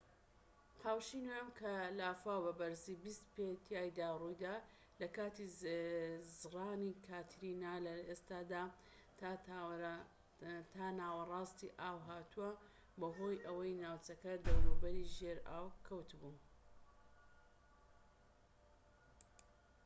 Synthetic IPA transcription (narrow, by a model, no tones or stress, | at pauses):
qʰaːwʃinoɛmkʰɐlaːfaːwbɐbɐɾzibist̪pet̪ʰjaːjd̪aːrujd̪aː | lɐkaːt̪i | zraːnikʰaːt̪ʰɾinaːlɐest̪aːd̪a | t̪ː | t̪ʰaːnaːwɐrˤɑːst̪ḭʔaːwɦaːt̪ʰuɐ | bɐɦo̞ːjʔɐwɐjnaːwt͡ʃɐkɐd̪ɐwɾubɐɾiʒeɾa̰ːwkʰɐwt̪bun